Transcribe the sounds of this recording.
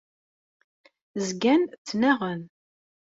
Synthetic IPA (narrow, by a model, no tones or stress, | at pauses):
zɡænt͡sːnæʁən